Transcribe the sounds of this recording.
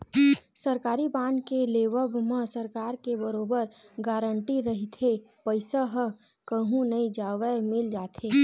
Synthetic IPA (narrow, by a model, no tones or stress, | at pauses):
səɾkaːɾibãːɳɖkeleːʋəbmə̃səɾkaːɾkebəɾoːbəɾ | ɡaːɾəɳʈiɾəɦit̪ʰe | pəɪsaɦə | kəɦũnɐid͡ʒaːʋəmɪld͡ʒaːt̪ʰeː